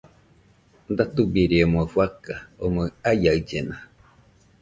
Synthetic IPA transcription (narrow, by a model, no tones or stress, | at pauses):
nd̪at̪ubiɾiemoafuakaomoajaɨd͡ʒena